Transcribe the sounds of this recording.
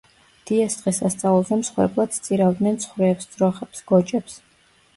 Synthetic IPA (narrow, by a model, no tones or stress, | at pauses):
d̪̥iɛsd̪ʁɛsast̪sʼaulˠzɛmsχwɛ̰ɾbʼlˠad̪̥st̪sʼiɾavd̪nɛnt̪sʰχwɾɛːpsd̪z̥ɾɔχɛpsɡ̥ɔt͡ʃʼɛps